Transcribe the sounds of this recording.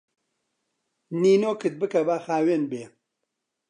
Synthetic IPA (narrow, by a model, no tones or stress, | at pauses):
niːnoːkɨt̪̚bɨkɐbaːxaːweːnbeː